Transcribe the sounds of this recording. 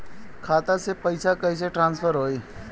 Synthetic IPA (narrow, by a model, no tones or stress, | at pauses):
kʰaːt̪asepɐɪsakɐis̬eʈɾãːnspʰəɾɦoːiː